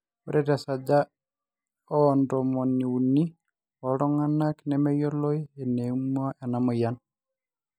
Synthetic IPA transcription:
ɔɾɛɾasada | ɔndɔmɔniuni | ɔɾɔŋanaknɛmɛjɔlɔjɛnemuaʔɛnamɔjan

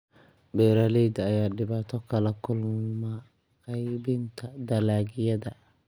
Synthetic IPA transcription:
bɛːɾɐlɛjd̪ɐɐjaːɖɪβaːt̪ʰɔkʰɐlɐkʰʊlmɐ | qɛjbɪnt̪ʰɐd̪ɐlaːɡɪjɐðɐ

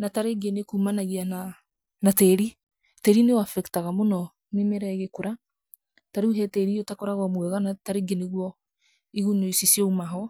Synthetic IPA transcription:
nataɾeɡenekumanaɣiana | natɛɾi | tɛɾinewafɛktaɣamonɔ | memɛɾɛɣekoɾa | taɾeuɦɛtɛɾiotakoɾaɣwɔmwɛɣanataɾeɡeneɣwɔ | iɣunoisisjɔumaɦɔ

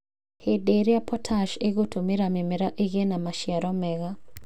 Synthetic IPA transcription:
hedeɾjapʰɔtʰaʃeɡotʰomiɾamɪmɛɾaʔeɡenamaʃjaɾɔmɛɣa

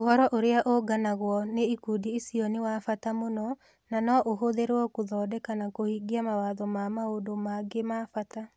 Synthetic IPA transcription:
ohɔɾɔʔoɾeaʔoɡanaɣwɔneikudiisiɔnewafatamonɔ | nanɔʔoɦoðeɾwɔkuðɔːdɛkanakohiːɡiamawaːðɔmamaodomaɡemafata

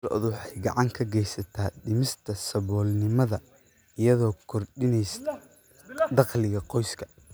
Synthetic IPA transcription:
ɔ̰ʔd̪wɑħɑjɡɑʕɑŋkʰɐɡɛjsɐt̪ʰaːdɪmɪst̪ʰɐsɐβɔːlnɪmɐðɐ | ɪjɐðɔːkʰɔrɖɪnɛjs | d̪ɑqlɪɣɐqɔjskʰɐ̥

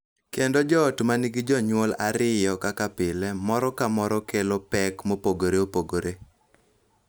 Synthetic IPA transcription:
kendod͡ʒɔːtmaniɡid͡ʒɔɲwolaɾɪjɔkakapɪlɛmɔɾɔkamɔɾɔkelopɛkmopoɡoɾeopoɡoɾe

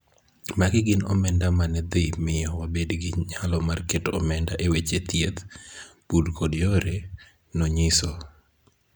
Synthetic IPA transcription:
maɡɪɡɪnɔ̰mɛndamanɛd̪ɪmɪjɔwabedɡɪɲalɔmarketɔ̰mɛndaʔewet͡ʃet̪jet̪pudkʰodjoɾe | noɲɪsɔ

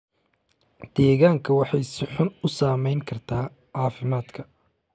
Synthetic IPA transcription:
d̪̥ɛːɣaːŋkʰɐwɑħɑjsɪħʊnʊsaːmɛjŋkʰɐrt̪ʰaː | ʕɑːfɪmaːd̪kʰɐ

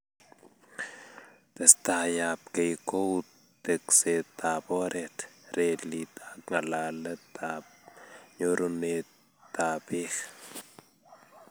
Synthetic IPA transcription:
t̪est̪ajap̚kejkow | t̪ekset̪aboɾʔet̪ɾelit̪aŋalalət̪ʰap̚ɲoɾune | t̪ːabix

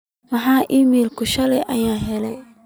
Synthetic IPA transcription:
mɑħɑːʔiːmiːlkʰʊʃɐlɛjʔɐjaːɦɛlɛj

